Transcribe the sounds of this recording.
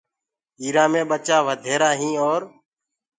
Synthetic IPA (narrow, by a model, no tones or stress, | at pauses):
iːɾãːmẽːɓət͡ʃaːʋəd̪ʱeːɾaːɦĩːɔːɾ